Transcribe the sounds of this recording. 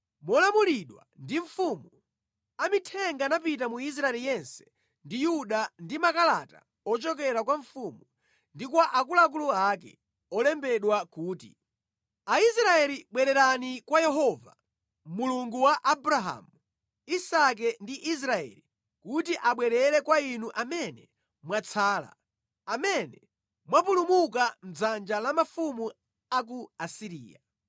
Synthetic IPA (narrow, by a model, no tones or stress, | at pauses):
mɔlamuliɗwa̰ndiɱfumu | amitʰɛŋɡanap̬itamuis̬ɾaɛlijɛnsɛ̥ | ndijuɗandimakalata̰ | ɔt͡ʃɔkɛɾakwaɱfumu | ndikwaʔakulak̬uluaːkɛ̰ | ɔlɛmbɛɗwakuːtḭ | aisɾaɛliɓwɛɾɛɾanikwajɛɦɔva | muluŋɡuwaʔabɾaɦa̰ːmu | isak̬ɛndiʔis̬ɾaɛ̰li | kutiʔaɓwɛɾɛɾɛkwainuʔamɛnɛ | mwat͡sʰaːla̰ | amɛnɛ | mwapulumukam̩d͡zand͡ʒalamafumu | ak̬uasiɾḭːja̰